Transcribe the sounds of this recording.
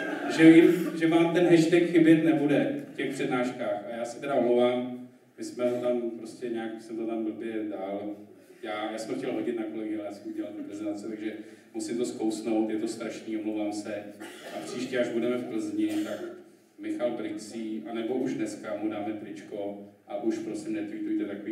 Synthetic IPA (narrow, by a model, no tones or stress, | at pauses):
ʒɛvɪmʒɛvaːmt̪ɛnɦɛʃt̪ɛkxɪbjɛt̪nɛbudɛfcɛxpr̥ɛdnaːʃkaːxajaːsɛ̥t̪ɛdaomlowvaːm | mɪsmɛɦot̪ampɾoscɛɲaːksɛmt̪ot̪ambl̩bjɛdaːl | jaːjaːsɛmxcɛlɦo̞ɟɪt̪nako̞lɛɡɪaljaːsɛmuɟɛlalt̪upɾɛzɛnt̪at͡sɪt̪aɡʒɛ | musɪmt̪o̞skowsno̞wt̪jɛt̪o̞st̪ɾaʃniːomlowvaːmsɛʔapr̝̥iːʃcɛaʒbudɛmɛfpl̩zɲɪt̪ak | mɪxalbɾɪksiːʔanɛbo̞ʔuʒdnɛskamudaːmɛp̪ɾɪt͡ʃko̞ʔaʔuʃpɾo̞sɪmnɛt̪vit̪ujt̪ɛt̪akoviː